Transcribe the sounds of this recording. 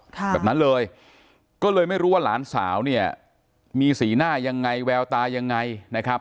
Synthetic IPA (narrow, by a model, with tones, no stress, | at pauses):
bɛː˨˩p̚na˦˥nlɤː˧j | kɔː˥˩lɤː˧jma˥˩jɾuː˦˥wa˥˩laː˩˦˥nsa̰ː˩˦wni˥˩ɐ | miː˧siː˩˦naː˥˩ja˧ŋːa˧jwɛː˧wt̪aː˧ja˧ŋːa˧jna˦˥kʰa˦˥p̚